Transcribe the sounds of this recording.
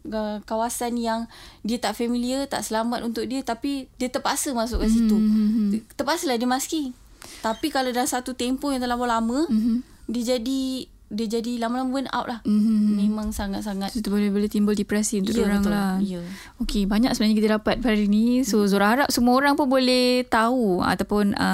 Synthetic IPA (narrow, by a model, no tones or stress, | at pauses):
əkawasanjaŋdiət̪aʔfɛmiliət̪a̰ʔsəlamat̪unt̪ʊk̚diət̪apidiət̪əpasəmasʊʔkansit̪u | t̪əpasəlahdiəmaski | t̪apikalawdalaŋsat̪ut̪empojaŋt̪əlamolamə̃ | diəd͡ʒadi | diəd͡ʒadilamalaməpəna̰wʔlahmmmẽmãŋsaŋat̪̚saŋat̪sit̪ubolebolɛht̪imbəldipɾɛsiunt̪ʊkoɾaŋlahjə | okebaɲak̚səbənaɲakit̪ədapat̪̚baɾinisozoɾahɦaɾap̚səmuoɾaŋpʊnbolɛht̪aua̰t̪awpʊnə̰